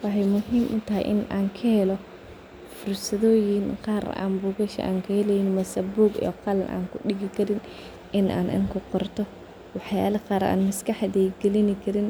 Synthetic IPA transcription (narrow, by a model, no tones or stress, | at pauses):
wɑħɛjmʊɦiːmʔʊt̪ɐɦɛ̰jʔɪ̰naːŋkʰɐhɛlɔ | fʊrsɐðɔːjɪnqɑːɾ̰a̰ːnbuːɣɐʃɛ̰ʔa̰ːŋkʰɐhɛlɛjɪnmɐsɐbuːɡḭqɑlɐnʔa̰ːŋkʰʊɗɪɣɪkʰɐɾɪn | ɪnʔa̰ːnʔɪ̰nkʰʊqɔrt̪ʰɔ | wɑħjaːlɐqɑːɾa̰ːnmɐskʰɐħd̪ɛjɡɛlɪnɪkʰɐɾɪn